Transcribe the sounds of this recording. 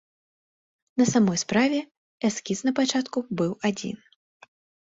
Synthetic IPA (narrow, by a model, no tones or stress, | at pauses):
nɐsamɔjspɾavʲɛ | ɛskʲisnɐpat͡ʂat̪kubɨwad͡zʲḭn